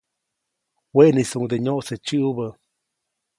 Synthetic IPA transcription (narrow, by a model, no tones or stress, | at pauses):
wenisuŋd̪eɲoʔset͡ʃɨʔbə